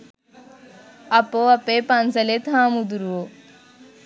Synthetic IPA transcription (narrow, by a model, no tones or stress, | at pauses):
ɐpoɐpepɐnsɐlet̪ʰaːmud̪uɾuo